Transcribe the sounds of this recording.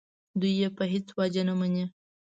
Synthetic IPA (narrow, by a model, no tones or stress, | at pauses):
d̪ujːepəɦet͡swɑd͡ʒanamane